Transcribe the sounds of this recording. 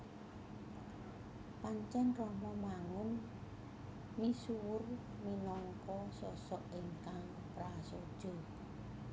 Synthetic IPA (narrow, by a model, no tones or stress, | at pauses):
paɲt͡ʃɛnrɔmɔmaŋʊn | misuwʊr | minɔŋkɔsɔ̰sɔʔʔeŋkaŋ | pɾasod̥ʒ̥ɔ̤